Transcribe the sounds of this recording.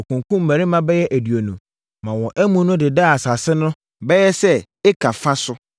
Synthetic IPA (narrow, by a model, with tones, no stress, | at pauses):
o˨kʰũ˨ŋkʰũ˦m̩˦mæ˨ɾɪ˦mã˦bɛ˦jɛ˦ʔæ˨dɥo˨nũ˨ | mã˨wɔ̃˨ʔæ˦mũ˦nʊ̃˦dɪ˨da˦˨a˨sa˨sɪ˦nʊ̃˦ | bɛ˦jɛ˦sɛ˦ | ɪ˦kʰa˨fã˦sʊ˦